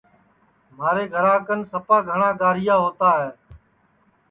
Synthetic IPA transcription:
maːɾeːɡʱəɾaːkənsəpaːɡʱəɳaːɡaːɾɪjaːɦoːt̪aːɦɛː

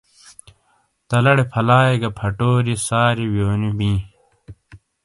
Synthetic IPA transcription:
t̪ɐlɐɽepʰɐlaːeɡɐpʰɐʈoːɾisaːɾiwjoːnibĩː

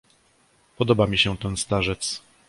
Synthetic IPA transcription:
pɔd̪ɔbamʲiɕɛt̪ɛnst̪aʐɛt̪s

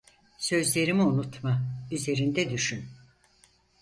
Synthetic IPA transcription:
sø̞zlʲe̞ɾimiunut̪mayze̞ɾind̪ɛd̪yʃyn

